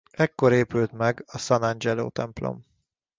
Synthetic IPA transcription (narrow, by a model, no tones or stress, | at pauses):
ɛkːoɾeːpylt̪mɛɡɒsɒnɒnd͡ʒɛlo̰ːt̪ɛmplo̰m